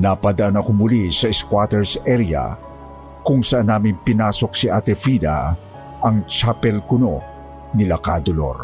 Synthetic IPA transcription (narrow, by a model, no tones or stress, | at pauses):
napɐd̪ɐʔanɐkomʊlisɐɛskwaːt̪ɛɹsɛɾja̰ | kʊŋsɐʔanːaːmɪnpɪnaːso̞k̚siʔat̪ɛfid̪a̰ | ʔɐŋt͡ʃapɛlkʊno | nɪlakad̪olo̰ɾ